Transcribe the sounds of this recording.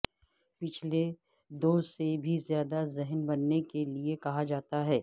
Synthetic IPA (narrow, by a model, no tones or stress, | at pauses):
pɪt͡ʃʰle | d̪oːsebʱizjaːd̪azɪɦənbɐnːekeliekɐɦad͡ʒaːt̪aɦɛː